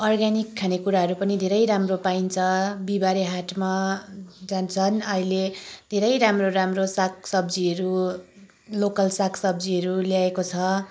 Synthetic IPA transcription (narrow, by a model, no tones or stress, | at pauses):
ʌrɡanikʰːanekuɾaɦʌɾupʌnid̪ʱeɾʌjɾamropaint͡sʰʌbibaɾeɦaʈma | d͡zant͡sʰʌnʌiled̪ʱeɾʌjɾamroɾamrosaksʌbd͡ziʌɾu | lokʌlsakʰsʌbd͡ziʌɾuljaekot͡sʰʌ